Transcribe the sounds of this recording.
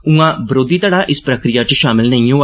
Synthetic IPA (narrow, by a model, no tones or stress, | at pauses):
ũãːbɾoːd̪iːt̪aːɽaːʔɪspɾəkɾɪjaːt͡ʃʃaːmɪlnəĩːɦoː